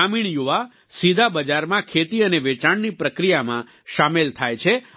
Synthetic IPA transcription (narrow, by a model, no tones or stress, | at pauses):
amiɳjuʋa | sid̪ʱabəd͡ʒaɾmãkʰet̪iəneʋet͡ʃaɳnipɾəkɾijamã | ʃamelt̪ʰajt͡ʃʰe